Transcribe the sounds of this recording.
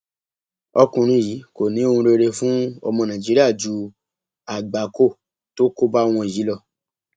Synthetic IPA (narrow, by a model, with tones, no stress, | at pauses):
ɔ˧kũ˨ɾ̃ũ˧jiː˨˦ko˨nĩ˨˦o˦hũ˧ɾe˧ɾe˧fũ˦ɔ̰˧mɔ̃˧nã˨d͡ʒi˦ɾi˦a˦˨d͡ʒu˨˦ | a˨ɡ͡ba˨ko˦˨ | to˦ko˦ba˦w̃ɔ̃˧i˨ji˨˦lɔ˦˨